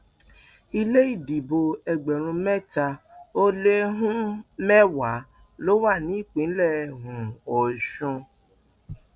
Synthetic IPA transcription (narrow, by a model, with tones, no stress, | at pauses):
i˧le˦i˦˨di˨bo˧ɛ˧ɡ͡bɛ˨ɾ̃ũ˧mɛ˦˨ta˧o˦le˦ɦũ˦mɛ˦wa˨˦ | lo˦wa˦˨nĩ˨˦i˦˨k͡pĩ˨˦lɛ˦˨ɦũ˨ɔ˨ʃɔ̃˧